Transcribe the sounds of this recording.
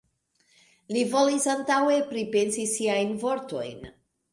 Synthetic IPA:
livo̞lisantawe̞pɾipensisiajnvoɾt̪o̞̰jn

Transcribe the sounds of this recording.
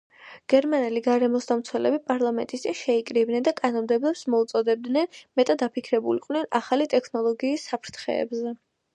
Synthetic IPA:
ɡ̥ɛɾmanɛliɡaɾɛmɔsd̪amt̪sʰwɛlɛ̰bipʼaɾlˠamɛnt̪ʼist̪ʼinʃɛikʼɾibnɛnd̪akʼanɔmd̪ɛblɛpsmɔut̪sʼɔd̪ɛb̚d̪nɛnmɛt̪ʼad̪apʰikʰɾɛbuliqʼvnɛnaχalit̪ʼɛkʰnɔlˠɔɡiːsːapʰɾt̪ʰχɛ̰ːbzɛ

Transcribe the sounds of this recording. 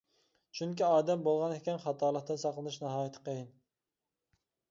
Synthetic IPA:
t͡ʃʰyŋkʲiɑːd̪ɛmbolˠʁɑnekʲɛnχɑt̪ʰɑːlˠəqt̪ɨnsɑqlˠɨnɨʃnɑɦɑːjɪt̪ʰɪ̥qejin

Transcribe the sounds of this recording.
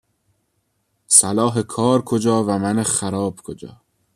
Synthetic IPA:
sælɒːɦekʰɒːɾkʰod͡ʒɒːvæmænexæɾɒːb̥kʰod͡ʒɒ̰ː

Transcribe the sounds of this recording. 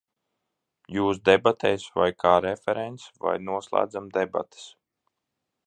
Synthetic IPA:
juːsd̪ebat̪ʰɛːsva̰jkʰaːɾefʲɛɾɛnt̪sva̰jnuɔslˠa̰ːd̪zamd̪eba̰t̪e̥s

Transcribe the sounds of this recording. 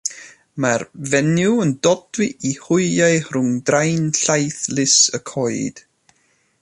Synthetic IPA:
marvɛnjuəndɔdwɪʔihʊɨajrʊŋdrajnɬajθlˠɪsəkʰɔɨd̥

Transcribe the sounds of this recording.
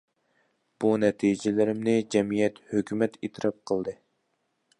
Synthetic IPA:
b̥unɛt̪ʰijd͡ʒɪlɪɾɪmnɪd͡ʒɛmijɛt̪høkʲʰymɛt̪ʰit̪ʰɾɑp̚qʰəlˠd̪ɨ

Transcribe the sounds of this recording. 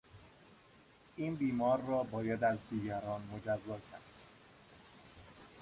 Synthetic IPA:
ʔiːnbiːmɒːɾːɒːbɒːjæd̪æzd̪iːɟæɾɒːnmo̞d͡ʒæzːɒːcʰæ̰ɾd̪

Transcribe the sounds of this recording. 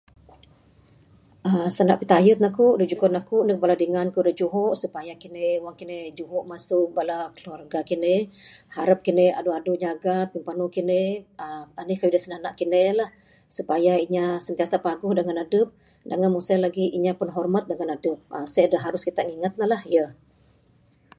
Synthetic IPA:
ʔəsana̰ʔpit̪ajʊt̪̚nakuʔdud͡ʒukɔnakuʔnəhbaladiŋankudəd͡ʒuɦɔʔsupajakineuwaŋkinɪhd͡ʒuɦɔʔmasʊʔbalakəluarɡakinɪh | haɾap̚kinea̰duaduʔɲaɡapimpanukineəanihkawidasənahna̰ʔkinelah | supajaiɲasənt̪iasapaɡʊhdəŋanadəp̚ | daŋanmusalaɡiʔiɲapənɦɔrmat̪̚dəŋanadəp̚əsajdəɦaɾʊskit̪aʔŋiŋat̪̚lalahjə

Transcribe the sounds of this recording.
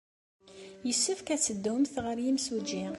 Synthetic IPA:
jəsːʊfkæt͡sːəd̪ːʊmθʁəɾjimsud͡ʒi

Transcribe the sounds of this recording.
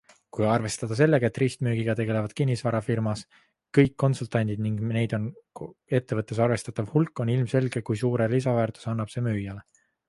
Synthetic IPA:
kujɑrve̞st̪ɑd̪̥ɑs̬e̞lːe̞ɡ̥ɑet̪ːˑriːst̪myːɡiɡ̥ɑt̪e̞ɡ̥e̞le̞vɑd̪̥kinʲːisvɑɾɑfirmɑs | kɤ̞jkːo̞nsult̪ɑnʲd̪̥id̪niŋɡne̞jd̪o̞ne̞t̪ːe̞vɤt̪ːˑe̞sɑrve̞st̪ɑt̪ːˑɑvhulkːˑo̞nilmse̞lɡ̥e̞kujsuːɾelisɑvæːrt̪u̥sɑnːɑb̥se̞ːmyːjɑle

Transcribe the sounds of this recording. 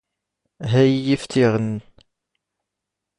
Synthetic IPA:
ɦæjjift̪ʰiʁən

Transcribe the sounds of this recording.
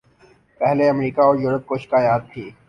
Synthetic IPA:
pɛɦleɐmɾiːkaɔːɾjuːɾəp̚koʃɪ̥kaːjaːd̪̚t̪ʰiː

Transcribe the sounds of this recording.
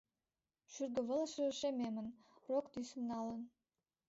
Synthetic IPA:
ʃyrɡə̆βə̆ləʃəɾə̆ʃememə̆n | rokt̪ysə̆mnɑlə̆n

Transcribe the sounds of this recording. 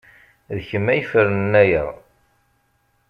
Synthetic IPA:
ðəçəmːæjfəɾnənːæjəʁˤ

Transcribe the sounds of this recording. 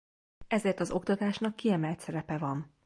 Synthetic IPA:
ɛzeːrt̪ɒzo̞kt̪ɒt̪aːʃnɒkːiɛmɛlt̪sɛɾɛpɛvɒn

